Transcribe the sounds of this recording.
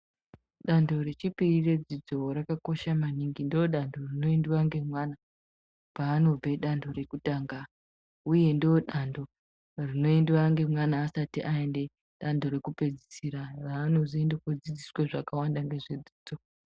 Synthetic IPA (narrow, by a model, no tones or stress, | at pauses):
ɗando̞re̞t͡ʃipirire̞d͡zid͡zo̞ɾakako̞ʃamaniŋɡindioɗandʱo̞rino̞endiwaŋɡe̞mwana | paːno̞b͡ve̞ɗando̞re̞kutaːŋɡa | uje̞ndioɗando̞ | rino̞endiwaŋɡe̞mwanaːsatiʔaende̞ | ɗandʱo̞ɾe̞kupe̞d͡zisiɾaraːno̞ziendekod͡zid͡zisweʐakawandaŋɡe̞ʐe̞d͡zid͡zo̞